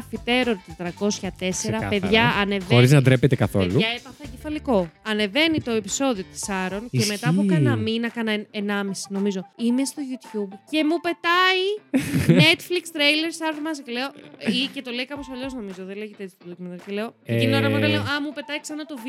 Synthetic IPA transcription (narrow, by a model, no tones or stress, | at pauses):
fit̪e̞ɾoɾt̪ist̪ɾɐko̞sçɐt̪e̞seɾɐpeðʝɐːnevoɾiznɐd̪ɾepet̪ekɐθo̰luɐepɐθɐɟefɐliko̞ɐne̞ve̞nit̪o̞epi̥so̞ðio̞t̪i̥sɐɾo̞nceme̞t̪ɐmukɐnɐminɐkɐnɐenɐmisi̥no̞mizoimest̪o̞ʝut̪çubce̞mupe̞t̪ɐinne̞t̪flikst̪ɾejleɾsɐɾomɐscele̞o̞ice̞t̪o̞leikɐpo̞sɐʎo̞zno̞mizo̞ðeleʝet̪eetsʰit̪olukmɐnɐɾcele̞o̞inoɾɐmonɐleoɐmupe̞t̪ɐiksɐnɐt̪ov